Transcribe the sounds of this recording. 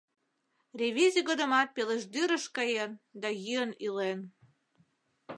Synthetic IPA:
rʲevizʲiɡəd̪əmɑt̪̚peleʃd̪yɾəʃkɑjend̪ɑjyənilen

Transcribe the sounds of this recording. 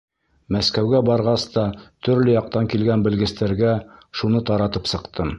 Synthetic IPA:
mæskæwɡæbɑɾʁɑst̪ɑt̪ɵ̆ɾlɘjɑq̚t̪ɑŋkilɡænbɘ̆lɡɘ̆st̪æɾɡæʃunɤt̪ɑɾɑt̪ɤpsɤ̆qt̪ʰɤm

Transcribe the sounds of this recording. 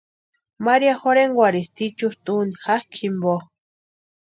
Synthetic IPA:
maɾiaxoɾeŋɡwaɾist̪it͡ʃust̪ʼunixahkʰimbo

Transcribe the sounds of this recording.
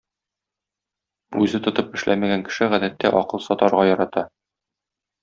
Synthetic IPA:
ʉzɘt̪ŏt̪ɤpɘ̆ʃlæ̰mæɡæŋkɘ̥̆ʃɘʁæd̪æt̪ːæʔɒqɤlˠsɒt̪ɑɾʁɑjɒɾɑt̪ɑ

